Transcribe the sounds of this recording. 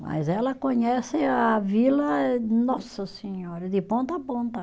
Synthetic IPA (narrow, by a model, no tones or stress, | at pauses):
mɐ̰jzɛlɐkõɲɛsɪavilɐnɔsɐseɲɔɾɐd̪ɪpõnt̪ɐpõnt̪ɐ